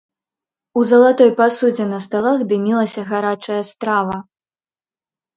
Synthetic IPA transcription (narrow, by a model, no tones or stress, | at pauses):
uzɐlˠat̪ɔjpasud͡zʲɛnɐst̪alˠaɣd̪ɨmʲilˠɐsʲɐɣaɾat͡ʂɐjɐst̪ɾavɐ